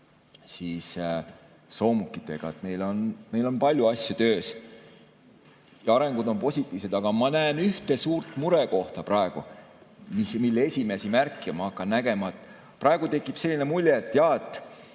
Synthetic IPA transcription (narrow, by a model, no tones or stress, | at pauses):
siːs | so̞ːmukˑːit̪ːˑe̞ɡ̥ɑ̰et̪me̞jlo̞nme̞jlo̞npɑlʲjuɑsʲjɑt̪ø̞ːs | jɑɑɾe̞ŋɡ̥ud̪̥o̞npo̞sʲit̪ːˑiːvse̞d̪ɑɡ̥ɑmɑnæːnyht̪e̞suːɾt̪ˑmuɾeko̞ht̪ɑprɑe̞ɡ̥umismilːee̞sʲime̞simærkːˑiɑmɑɑkˑːɑnːæɡ̥e̞mɑet̪ | prɑe̞ɡ̥ut̪e̞kːˑipse̞lʲːine̞mulʲjeːt̪ːˑjɑet̪ːˑ